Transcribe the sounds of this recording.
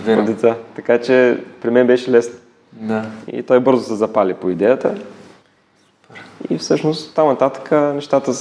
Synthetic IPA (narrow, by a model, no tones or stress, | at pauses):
vo̰d̪ɛt̪sat̪ɐkat͡ʃɛpɾimɛnbɛʃɛlɛsn | d̪aḭt̪ɔjbɤɾzʊsɛzɐpalʲipoid̪ɛjət̪ə | pḭfsɤʃnost̪tt̪ːamnɐt̪at̪ə̥kʰənɛʃt̪at̪ə